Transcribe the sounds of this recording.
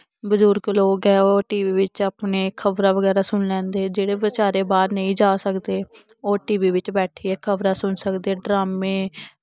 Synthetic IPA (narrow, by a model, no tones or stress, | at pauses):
bəzʊɾkloːkɛːoːʈiːʋiːʋɪt͡ʃaːpneːkʰəbɾaːʋəɡɛːɾaːsʊnlɛ̃ːnd̪eːd͡ʒeːɽeːʋɪt͡ʃaːɾeːbaːd̪nəĩːd͡ʒaːsəkd̪eː | oːʈiːʋiːʋɪt͡ʃbɛːʈʰiːɛːkʰəʋɾaːsʊnsəkd̪eːɖɾaːmẽː